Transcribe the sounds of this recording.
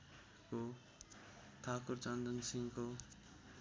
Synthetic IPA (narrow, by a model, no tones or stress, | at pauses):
ko | t̪ʰakurt͡sʌnd̪ʱʌnsiŋko